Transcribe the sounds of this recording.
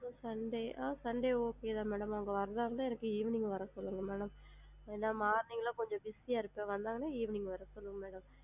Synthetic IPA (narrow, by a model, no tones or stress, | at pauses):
sɐɳɖeːʔaːsɐɳɖeːoːkeːðãːmeːɽɐmɐʋɐŋɡɐʋɐɾɐd̪ãːɾɐnd̪aɛnɐkːɯiːʋɪnɪŋɡɐʋɐɾɐsɔlːɯŋɡɐmeːɽɐm | ɛnːaːmaːɾnɪŋɡɐlãːkɔɲd͡ʒɔ̃bɪsijaːɪɾɯpːẽːʋɐnd̪aːŋɡɐnaːiːʋɪnɪŋɡɐʋɐɾɐsɔlːɯŋɐmeːɽɐm